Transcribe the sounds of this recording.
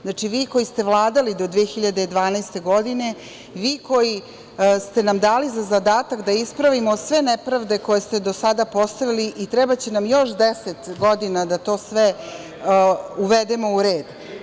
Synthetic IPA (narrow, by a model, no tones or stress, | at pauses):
znat͡ʂiʋiːko̞jist̪e̞ʋlˠaːd̪alid̪o̞d̪ʋiexiʎad̪ed̪ʋaːnajst̪e̞ɡo̞d̪ine̞ | ʋiːkoji | st̪e̞namd̪aːlizazad̪aːt̪akd̪aispɾaʋimosʋe̞nepɾaʋd̪e̞ko̞jest̪ed̪o̞sad̪apo̞st̪aʋiliʔit̪ɾɛbat͡ɕenamjo̞ʃd̪ɛset̪ɡod̪inad̪at̪o̞ːsʋe | uʋed̪emo̞uɾeːd̪